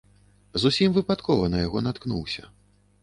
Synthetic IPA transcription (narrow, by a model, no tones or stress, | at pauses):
zusʲimvɨpat̪kɔvɐnɐjaɣɔnat̪knṵwsʲɐ̰